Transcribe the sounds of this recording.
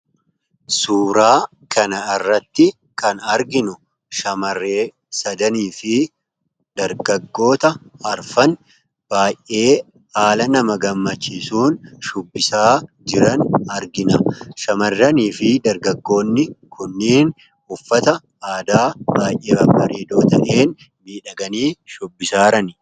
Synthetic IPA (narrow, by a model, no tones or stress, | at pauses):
suːɾaː | kɐnɐɪrːɐt̪ːɪ | kɐnɐɾɡɪnʊ | ʃɐmɐrːe̞ː | sɐd̪ɐniːfɪ | d̪̥ɐɾɡɐɡːo̞ːt̪ɐɐɾfɐn | b̥aːjʔʔe̞ː | haːlɐnɐmɐɡɐmːɐt͡ʃːiːsuːnʃʊbːɪsaːd͡ʒɪɾɐnɐɾɡɪnɐʃɐmɐrːɐniːfɪd̪ɐɾɡɐɡːo̞ːnːɪkʰʊnːiːn | ʊfːɐt̪ɐ | aːd̪aːbaːjʔeːɐbɐɾeːd̪oːt̪ɐʔe̞ːn | miːᶑɐɡɐniːʃʊbːɪsaːɾɐnɪ